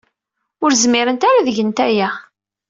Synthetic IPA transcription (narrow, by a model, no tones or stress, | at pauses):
ʊɾzmɪɾənt̪aɾaðəʝənt̪æjæ